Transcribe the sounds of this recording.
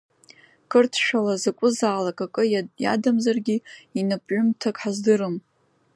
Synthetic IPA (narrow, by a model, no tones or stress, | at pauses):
kʰʼɨrtʰʃᶣalazakʷʼʊzaːlakʼakʼɨja̰damzarɡʲiinɨpʼʕʷʊmtʰakʼħazdɨɾɨm